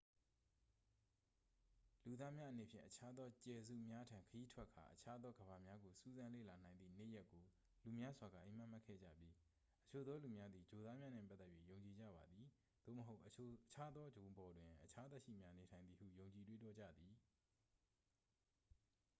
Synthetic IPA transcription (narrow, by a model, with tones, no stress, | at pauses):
lu˨d̪a˦mja˦ʔəne˨pʰjɪ̰̃˦˨ʔət͡ɕʰa˦d̪ɔ˦t͡ɕɛ˨zṵ˦˨mja˦tʰã˨ŋkʰəji˦tʰwɛ˦kʰːa̰˨ʔət͡ɕʰa˦d̪ɔ˦ɡəba˨mja˦ɡo˨su˦˨zã˦lḛ˦˨la˨n̥ã˨ɪ̃nðḭ˦˨nḛ˦˨ja˦kːo˨ | lu˨mja˦zwa˨ɡa̰˦˨ʔḛ̃˨ma˦˨ma˦˨kʰɛ̰˦˨d͡ʑä̰˦˨pji˦ | ʔət͡ɕʰo˨d̪ɔ˦lu˨mja˦d̪ði˨d͡ʑo˨d̪a˦mja˦nɪ̰̃˦˨pa˦t̪ːɛ˦ʔjɥḭ˦˨jõ˨ʊ̃ɲt͡ɕi˨d͡ʑa̰˦˨ba˨d̪ði˨ | d̪̥o̰˦˨məɦo˦ʊʔət͡ɕʰa˦d̪ɔ˦d͡ʑõ˨bɔ˨dwɪ̃˨ʔət͡ɕʰa˦t̪ɛ˦ʃḭ˦˨mja˦ne˨tʰã˨ɪ̃nði˨hṵ˦˨jõ˨ʊ̃ɲt͡ɕi˨twe˦˨tɔ˦˨d͡ʑä̰˦˨d̪ði˨